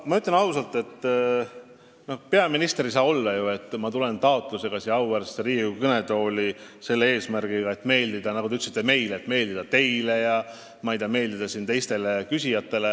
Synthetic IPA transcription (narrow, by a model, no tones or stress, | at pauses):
mɑyt̪lʲːɑnɑwsɑlt̪ːˑe̞t̪ː | no̞hpe̞ɑminist̪eɾis̬ɑːbo̞lːɑjue̞t̪ːmɑt̪ule̞nt̪ɑo̞t̪ˑluse̞ɡ̥ɑsiɑwærseɾiːukɯne̞d̪o̞ːlise̞lːee̞ːsmærɡ̥iɡɑe̞t̪ːˑme̞ːld̪id̪̥ɑnɑɡut̪eyt̪ːˑsit̪ːeme̞jleːt̪me̞ːlʲd̪id̪ɑt̪e̞jle̞jɑ | mɑjd̪ɑme̞ːld̪id̪̥ɑsiːnt̪e̞jst̪e̞le̞kysʲijɑt̪ːˑe̞le